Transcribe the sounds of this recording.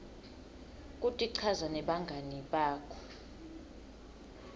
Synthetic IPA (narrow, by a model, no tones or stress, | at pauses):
kʼutʼiǀʰazanɛɓaŋɡʱaniɓaːkʰɔ̥